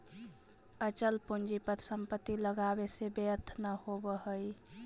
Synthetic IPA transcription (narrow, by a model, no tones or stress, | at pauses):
ət͡ʃəlpund͡ʒipət̪ʰsəmpət̪ːiləɡabesebəət̪ʰnəhobəhəj